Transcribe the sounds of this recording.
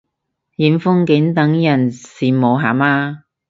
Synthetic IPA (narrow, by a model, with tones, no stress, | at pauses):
jiː˨˩mfʊ˥ŋkɪ˨˥nt̪ɐ˨˥ŋjɐ˨˩nsiː˨mo˨˧wɦaː˨˩maː˧